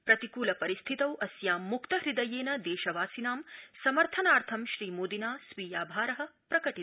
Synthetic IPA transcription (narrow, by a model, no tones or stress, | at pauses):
pɾɐt̪ikuːlɐpɐɾist̪ʰit̪ɐwʔɐsjaːmːukt̪ɐɦɾid̪ɐjeːnɐd̪eːʃɐʋaːsinaːmsɐmɐɾt̪ʰɐnaːɾt̪ʰɐmʃɾiːmoːd̪inaːsʋiːjaːbʱaːɾɐɦɐ̆pɾɐkɐʈi